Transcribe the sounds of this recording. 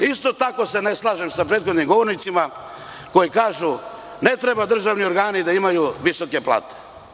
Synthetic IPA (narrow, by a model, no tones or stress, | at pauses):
ist̪o̞t̪ako̞se̞neslˠaːʒe̞msapɾeːt̪xo̞d̪nimɡo̞ʋo̞ɾnit̪sima | ko̞jikaːʒu | ne̞t̪ɾebad̪r̩ʒaʋnio̞ɾɡaːnid̪aimajuʋiso̞ke̞plˠa̰ːt̪e̥